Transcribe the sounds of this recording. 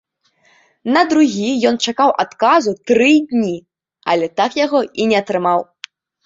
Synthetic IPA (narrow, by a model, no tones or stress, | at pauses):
nɐd̪ɾuɣʲijɔnt͡ʂakawʔat̪kazut̪ɾɨd̪ʲnʲi | ɐlʲɛt̪akjaɣɔinʲɛɐt̪ɾɨmaw